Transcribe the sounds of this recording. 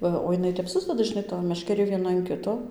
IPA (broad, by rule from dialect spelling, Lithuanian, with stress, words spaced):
ˈʋɐ oː jɪˈnɐɪ tʲɛp ˈsʊzʲdʲɛdɐ ʒʲɪˈnɐɪ toːj mʲɛʃʲkʲɛˈrʲeː ʋʲiɛˈnɐ ɐn ˈkʲɪtoː